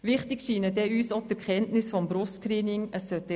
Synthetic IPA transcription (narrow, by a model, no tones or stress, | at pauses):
ʋɪχtɪkʃiːnədɛyːsotəɾkχɛntnɪsfɔmbɾʊstkɾiːnɪŋəsːœt̪ːɛ